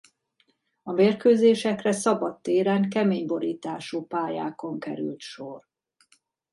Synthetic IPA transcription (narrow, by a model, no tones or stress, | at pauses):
ɒmeːrkøːzeːʃɛkrɛsɒbɒt̪ːeːɾaːŋkɛmeːɲbo̞ɾiːt̪aːʃuːpaːja̰ːko̞ŋkɛ̰ɾy̰lt̪ʃo̞r